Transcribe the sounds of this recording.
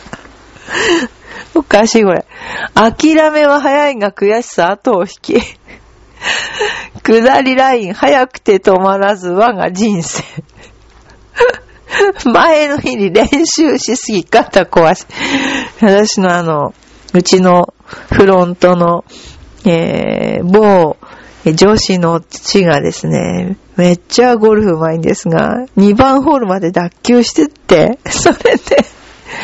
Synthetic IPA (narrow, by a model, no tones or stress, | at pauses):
okaɕiːko̞ɾḛakʲiɾame̞βaɦajaiŋakɯ̟jaɕi̥saːt̪o̞ːçi̥kʲi | kɯ̟d̪aɾʲiɾaĩɰ̃hajakɯ̟̥t̪e̞t̪o̞maɾazɨβaɡa̰d͡ʑĩɰ̃se̥ː | maeno̞çiɲiɾẽ̞ɰ̃ɕɨːɕisɨɡʲikat̪ako̞βaɕi̥βat̪aɕino̞ano̞ | ɯ̟t͡ɕino̞ɸɯ̟ɾõ̞nt̪o̞no̞ | ḛːboː | d͡ʑo̞ɕino̞t͡ɕiɡad̪e̞̰sɨne̞̰ | me̞t͡ɕaɡo̞ɾɯ̟ɸɯ̟maĩnd̪e̞sɨɡa̰ɲ̟ibãɰ̃ɦo̞ːɾɯ̟mad̪e̞d̪akʲːɨːɕi̥t̪et̪ːe̞so̞ɾe̞d̪̥e